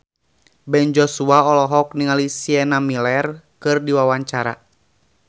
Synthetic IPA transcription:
bɛnd͡ʒɔsuaɔlɔɦɔk̚niŋalisiɛnamilɛrkɨrdiwawaɲt͡ʃaɾa̰

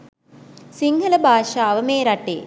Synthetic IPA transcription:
siŋɡɐlɐbʱaːʃaːʋɐmeːɾɐʈḛː

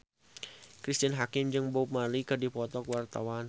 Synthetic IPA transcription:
kɾist̪ɪnɦakɪmd͡ʒɨŋbop̚malikərdipɔt̪ɔkwart̪awan

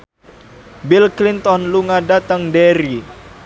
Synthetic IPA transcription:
bilklint̪ɔnluŋadat̪əŋdeɾi

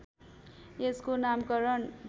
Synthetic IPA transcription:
eskonamkʌɾʌnbʱ

